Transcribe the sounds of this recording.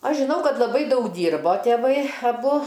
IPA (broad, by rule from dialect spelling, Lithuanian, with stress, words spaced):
ˈɐʃ ʒʲɪˈnɐʊ ˈkɐt lˠɐˈbɐɪ ˈdɐʊk ˈdʲiːrboː tʲeːˈʋɐɪ ɐˈbʊ